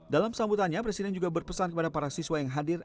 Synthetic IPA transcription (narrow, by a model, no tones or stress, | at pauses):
dalamsambut̪anɲapɾesidɛnd͡ʒuɡabərpəsankəpadapaɾasiswajaŋɦadɪr